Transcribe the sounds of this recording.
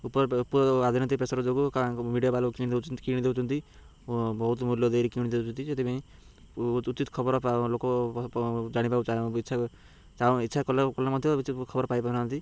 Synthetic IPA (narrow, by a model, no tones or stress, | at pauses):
uppad̪ʱinɔnt̪ipesaɾɔd͡ʒoɡukamiɖijabalkiñd̪ekiɽ̃id̪ewt͡ʃʰunt̪i | bɔɦut̪muljɔd̪eɾikĩid̪ewt͡ʃʰunt̪id͡ʒet̪ipaĩ | t͡ʃit̪kʰɔbɔɾpaloko | d͡ʒaɽ̃ipaut͡ʃaitːt͡ʃʰa | t͡ʃãit̪ːʃʰakɔlakɔlːamɔd̪ʱjeut͡ʃikʰɔbɔɾpajpanant̪i